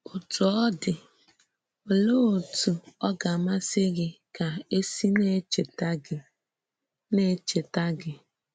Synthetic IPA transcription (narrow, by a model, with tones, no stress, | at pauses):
ʊ˨tu˨ɔ˦dɪ˨ | o˨loː˦o˨tu˨ɔ˦ɡa˨ma˦sɪ˦ɡɪ˦ka˨e˦si˦ne˦t͡ʃe˨ta˦ɡɪ˨ | ne˦t͡ʃe˨ta˦ɡɪ˨